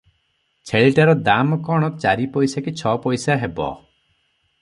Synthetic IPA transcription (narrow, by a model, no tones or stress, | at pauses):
t͡ʃʰeɭiʈaɾɔd̪amɔkɔɽ̃ɔt͡ʃaɾipɔjsakit͡ʃʰɔpɔjsaɦebɔ̰